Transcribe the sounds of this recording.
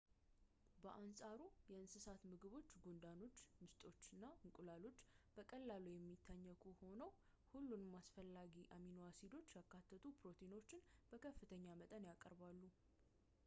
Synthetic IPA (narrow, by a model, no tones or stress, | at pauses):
bəʔansʼaɾujɛɨnsɨsat̪mɨɡɨβo̞t͡ʃːɡond̪ano̞t͡ʃːmɨst̪ʼo̞t͡ʃːɨnːaɨŋkʼulalo̞t͡ʃːb̥əkʼəlːalujɛmːit̪ʰːaɲːəkʰuho̞nəw | hulːunmːasfəlːaɡiʔaminoasid̪o̞t͡ʃːjakːat̪ʰːət̪ʰupɾo̞t̪ʰeino̞t͡ʃːɪnb̥əkʰəfːɨt̪ʰəɲːamət̪ʼənjakʼəɾbalːu